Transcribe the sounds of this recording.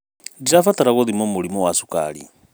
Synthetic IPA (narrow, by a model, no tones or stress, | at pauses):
diɾafat̪ʼaɾaɣɔðimɔmulimɔwasukʼa̰ːɺḭ